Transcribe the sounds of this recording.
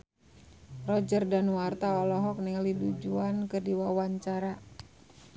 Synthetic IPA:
rɔd͡ʒərdanwart̪aɔlɔɦɔk̚niŋlidud͡ʒuankərdiwawaɲt͡ʃaɾa

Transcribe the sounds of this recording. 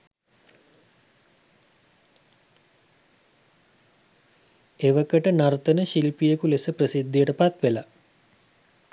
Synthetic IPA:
eʋəkəʈənaɾt̪ənəʃilpijəkulesəprəsid̪ːijəʈəpat̪ʋela

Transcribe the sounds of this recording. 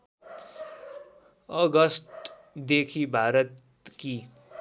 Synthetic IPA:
ʌɡʌsʈ | d̪ekʰibʱaːɾʌt̪ | ki

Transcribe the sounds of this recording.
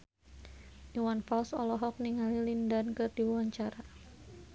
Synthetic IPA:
ʔiwanfalsɔlɔɦɔk̚niŋalilindankɨrdiwawaɲt͡ʃaɾa

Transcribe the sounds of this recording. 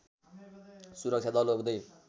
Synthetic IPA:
suɾʌk̚t͡ɕʰjad̪ʌlobd̪ʌj

